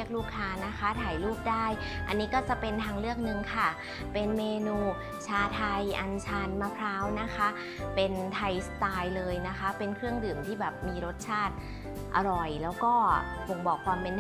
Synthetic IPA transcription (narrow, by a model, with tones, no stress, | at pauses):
ək̚luː˥˩kʰːaː˧na˦˥kʰa˦˥t̪ʰaː˨˩jluː˥˩p̚daː˥˩j | ʔa̰˧nːiː˦˥kɔː˥˩t͡ɕa˨˩pe˧nt̪ʰaː˧ŋɾɯ˥˩ək̚nɯ˧ŋkʰa˥˩ | pe˧nmeː˧nuː˧ | t͡ɕʰaː˧t̪ʰa˧jʔa˧nt͡ɕʰa˧nma˦˥pʰɾaː˦˥wna˦˥kʰa˦˥ | pe˧nt̪ʰa˧jsa˧t̪aː˧jlɤː˧jna˦˥xʰa˦˥pe˧nkʰɾɯ˥˩əŋdɯː˨˩mt̪ʰiː˥˩bɛː˨˩p̚miː˧ɾo˦˥t̪̚t͡ɕʰaː˥˩t̪̚ | ʔa˧ɾɔ˨˩jlɛː˦˥wkɔː˥˩ | bo˨˩ŋbɔː˨˩kʰwaː˧mpe˧n